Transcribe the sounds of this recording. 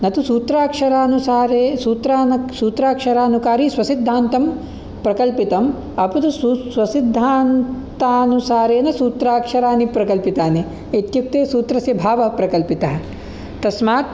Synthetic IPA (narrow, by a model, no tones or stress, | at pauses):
nɐt̪usuːt̪ɾaːkʂɐɾaːnusaːɾeːsuːt̪ɾaːnɐsuːt̪ɾaːkʂɐɾaːnukaːɾisʋɐsid̪ʱːaːnt̪ɐm | pɾɐkɐlpit̪ɐm | ɐpud̪ussʋɐsid̪ʱːaːnt̪aːnusaːɾeːnɐsuːt̪ɾaːkʂɐɾaːnipɾɐkɐlpit̪aːni | et̪juk̚t̪eːsuːt̪ɾɐsjɐbʱaːʋɐɦɐpɾɐkɐlpit̪ɐɦɐ̆ | t̪ɐsmaːt̪̚